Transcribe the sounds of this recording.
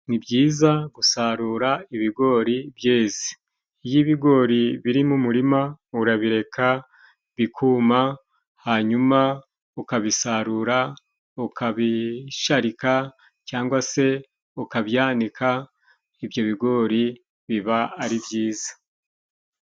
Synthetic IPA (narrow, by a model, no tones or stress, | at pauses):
nibɟiːzaɡusaɾuːɾaiβiɡo̞ɾibjeːzi̥ː | jiβiɡo̞ɾiβiɾimumuɾimauɾaβiɾe̞kʰa | βikʰuma | haɲuma | ukaβisaɾuɾa | ukaβiʃaɾika | caːŋɡwase̞ | ukaβjaːnikʰa | ivjo̞βiɡo̞ːɾi | βiβaːɾibjiːzḁ